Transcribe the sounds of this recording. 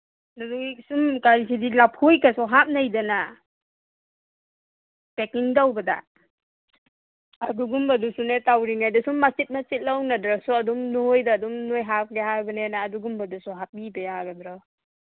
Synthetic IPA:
nadusumkaɾisʰidilap̚ʰhojkasɔɦap̚najdana | pekiŋdawbada̰ | aduɡumbadusunetawɾiŋajdasumːasit̚nat͡ʃit̚lawnadɾasɔɐdumnojdaːdɔmnojɦak̚ɡeɦaɾbanenaːduɡumbadusɔɦap̚ibajaaɡadɾɔ

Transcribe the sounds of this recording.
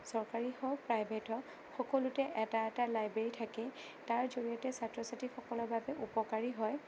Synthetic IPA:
sɔɹkaɹihɔjpɹajbʱetɔ | xɔkɔlʊtɛʔɛtaɛtalajbɹeɹitʰakɛ | taɹzoɹiɔtɛsatɹɔsatixɔkɔlɔɹbʱabɛʔupɔkaɹiɦɔj

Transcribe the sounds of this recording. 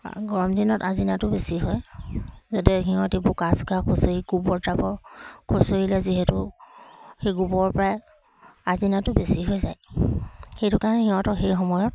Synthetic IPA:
ɡɔɹɔmdinɔtazinatʊbesiɦɔjzatɛɦiɔ̃tebʊkaskakʰusoɹiɡubɔɹtapɔkʰusoɹilɛziɦɛtʊ | xejɡubɔɔɹpɔɹaj | azinatʊbesiɦojzaj | xejtʊkaɹɔnɛxiɦɔ̃tɔxejxɔmɔjɔt̚

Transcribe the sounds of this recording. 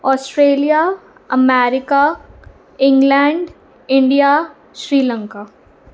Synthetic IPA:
ɔːsʈɾeːlija | ɐmeːɾɪka | ɪ̃ŋɡlɛːɳɖ | ɪ̃ɳɖija | ʃɾiːlə̃ŋkaː

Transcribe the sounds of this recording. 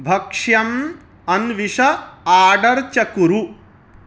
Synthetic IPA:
bʱɐkʂjɐm | ɐnʋiʂɐaːɖɐɾt͡ʃɐkuɾu

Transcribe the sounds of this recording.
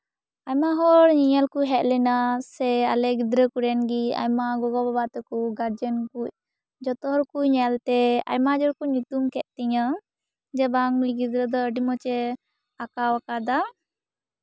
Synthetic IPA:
ajmaɦɔɾɲiɲəlkuʔɦɛʔ̪̚lɛnasɛa̰lɛɡid̪ɾəkuɾɛnɡia̰jmaɡɔɡɔbabat̪ɛkuɡaɾd͡ʒənkuc̚ | d͡ʒɔt̪ɔɦɔɾkuʔɲɛlt̪ɛa̰jmad͡ʒɔɾkuɲut̪umkɛʔ̪̚ˀt̪ɛɲa | d͡ʒɛbaŋmiɡid̪ɾəd̪ɔəɖimɔt͡ʃɛ | akawakad̪a

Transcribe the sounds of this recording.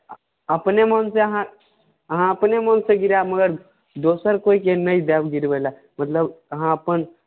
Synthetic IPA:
ɐpnemonseəɦã | əɦãɐpnemɔːnseɡiɾaməɡəɾ | d̪oːsəɾkoːikenɐid̪aːbɡiɾbəla | mɐt̪ləbəɦãɐpən

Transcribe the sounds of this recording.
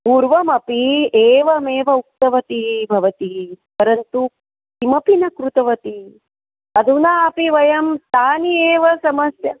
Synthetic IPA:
puːɾʋɐmɐpieːʋɐmeːʋɐuk̚t̪ɐʋɐt̪iɦbʱɐʋɐt̪iipɐɾɐnt̪u | imɐpinɐkɾut̪ɐʋɐt̪i | ɐd̪ʱunaːɐpiʋɐjɐmst̪ʰaːnieːʋɐsɐmɐsjɐ

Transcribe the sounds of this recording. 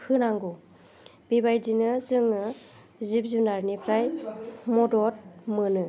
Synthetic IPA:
hɯnaŋɡu | bibajdinɯzɯŋɯ | zip̚zunaɾnipʰɾajmɔdɔt̚mɯnɯ

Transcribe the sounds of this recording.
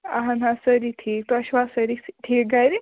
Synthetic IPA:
aɦanɦãsəɾiʈʰiːk̚t̪oɐɕʋasəɾiʈʰiːk̚ɡajɾi

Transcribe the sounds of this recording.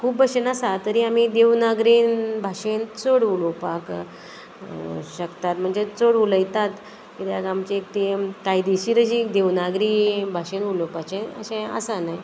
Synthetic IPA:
kʰuːbəɕenasat̪əɾiːamid̪eʋnaɡɾinbʱaɕent͡soɽulopak | ɕəkt̪at̪m̤əɳd͡zet͡soɽuləjt̪at̪ | kit̪jaɡamt͡ɕek̚t̪ek̪ajd̪iɕiːɾəɕid̪eʋnaɡɾibʱaɕenulopat͡ɕeə̰ɕẽə̰sanaj

